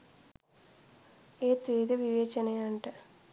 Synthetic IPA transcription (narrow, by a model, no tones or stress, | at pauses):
eːt̪ɾiːd̪ɐʋiʋeːt͡ʃɐnejɐɳʈɨ